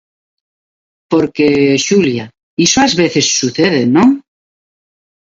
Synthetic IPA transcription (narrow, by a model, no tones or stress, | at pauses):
poɾkeʃulja | isoazβeθe̞sːuθeðenõ